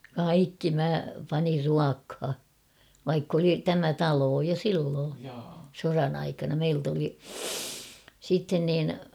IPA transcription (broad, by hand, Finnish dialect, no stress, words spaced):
kɑikːi mæ pɑnir ruɑkhɑ ʋɑikː oli tæmæ tɑloː jo silːoː sorɑn ɑikɑnɑ meilt oli sitːen niːn